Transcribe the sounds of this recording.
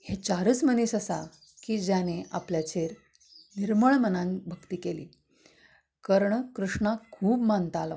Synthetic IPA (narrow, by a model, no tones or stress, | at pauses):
het͡ɕaɾəːt͡sməniɕəsa̰ | kiːd͡ʑjaneʔapljat͡ɕʰeɾ | niɾməɭmənãnbʱəkt̪iːkelḭː | kəɾɳkɾuʂɳakʰuːbmant̪al